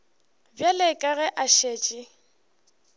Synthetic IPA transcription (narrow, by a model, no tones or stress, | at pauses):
bjalɪkʼaɣɛʔaʃeːt͡ʃʼɪ